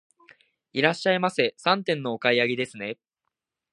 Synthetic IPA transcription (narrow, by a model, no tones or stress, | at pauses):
iɾaɕːaimasesãnt̪ẽ̞nːo̞okaiaɡʲid̪e̞sɨne̞